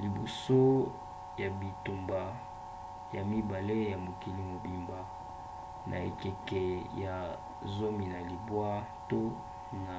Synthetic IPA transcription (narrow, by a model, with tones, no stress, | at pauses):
li˨bo˨so˦ | ja˨bi˨tu˨mba˨ | ja˨mi˦ba˨le˦ja˨mo˨ki˨li˨mo˨bi˨mba˨ | nʔa̰˨ḛ˨kɛ˨kɛ˨ja˨ | zo˦mi˨na˨li˨bwa˦to˦ | na˨